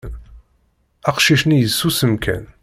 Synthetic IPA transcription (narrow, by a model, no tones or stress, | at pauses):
n | æqʃiʃnijəsːusəmkʰæ̰n